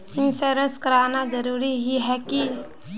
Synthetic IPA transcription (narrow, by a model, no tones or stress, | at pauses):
ɪnseɾəskəɾaːnad͡ʒəɾuːɾiɦiɦɛki